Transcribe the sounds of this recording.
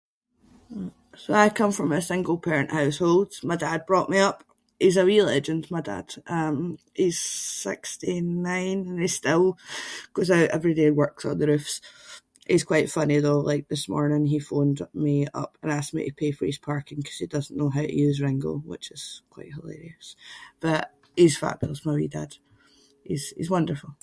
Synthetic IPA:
soaɪv̥kʰʌ̃ɱfɹə̃məsɪ̃ŋɡəl̩ˠpʰɛɹɨ̃nʔhaʊsholˠd̥maɪdad̚bɹɔʔmiʌp | hizəwilˠɛd͡ʒə̃ndmaɪda̰d̥ʔʌ̃m | hiz̥sɪ̰kstinãɪ̃nə̃ni̥stɪlˠɡ̥ozaʊʔɛvɹidewɜ˞ksn̩ðəɹʉfs | ʔɪz̥kʰw̥aɪʔfʌniðolˠa̰ɪk̚ðɪsmɔ̰ɹnɪ̃ŋifõndmiʌ̰pə̃nastmḭʔəpʰefə˞iz̥pʰaɹkɪ̃ŋkʰʌ̥z̥id̥ʌzn̩noɦaʊʔɨ̰jʉzɹɪ̃ŋɡə̰l̩ˠwɪ̰t͡ʃɪz̥kʰw̥a̰ɪʔhəlˠḛɹiəsb̥ʌʔ | hiz̥fa̰ʔb̥ɪ̰lˠsmaɪwḭda̰d̥ | ḭz̥ḭzwʌ̃ndə˞fəl̩ˠ

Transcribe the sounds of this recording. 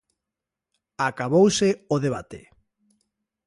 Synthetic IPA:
akaβowseoðeβ̞at̪ḛ

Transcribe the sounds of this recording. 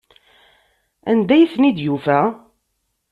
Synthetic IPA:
æ̰nd̪æjiθnid̪jufæ

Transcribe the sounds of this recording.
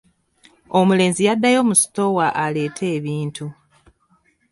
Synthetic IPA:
o̞mule̞ːnzijadːajo̞ːmusi̥to̞waʔale̞ːtʰe̞ːβiːntʰu

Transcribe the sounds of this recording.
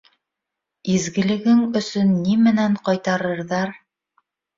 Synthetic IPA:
izɡɘ̆lɘ̆ɡɘŋɵ̆sɵnːimɘ̆næɴqɑjt̪ɑɾɤ̆ɾðɑɾ

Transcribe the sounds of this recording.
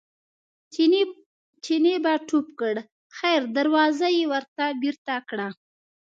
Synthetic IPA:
t͡ʃinebaʈupkəɽ | xajɾd̪aɾwɑzajewəɾt̪abiɾt̪akɽa

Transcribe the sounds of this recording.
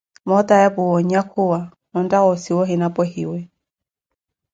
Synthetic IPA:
mɔt̪ʼajabʊwɔɲjakʰʊwa | ɔn̩dʼaɣɔsiwɔɦinapʼɔɦiwɛ

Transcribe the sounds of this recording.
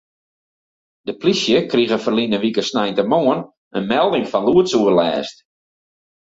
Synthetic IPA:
d̥əplisjəkriɣəfərlinəʋikəsnɛjntəmoən | ənmɛlˠdɪŋfɔnluətsuərlɛ̰ːst

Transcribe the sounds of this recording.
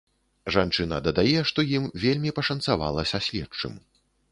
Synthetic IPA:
ʐant͡ʂɨnɐd̪ɐd̪ajɛʂt̪ɔjimvʲelʲmʲipɐʂɐnsava̰lˠɐsʲɐsʲlʲɛt͡ʂɨ̰m

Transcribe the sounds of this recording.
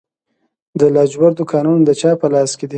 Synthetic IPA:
d̪əlɑd͡ʒbaɾd̪okɑːnund̪ət͡ʃɑpəlɑsked̪i

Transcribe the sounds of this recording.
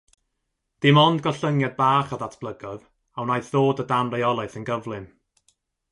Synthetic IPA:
d̥ɪmɔnd̚ɡɔɬəŋjad̚baːχɔðatʰb̥lˠəɡɔð | awnajθðoːdədanrajɔlˠaɨθənɡəvlˠɨn

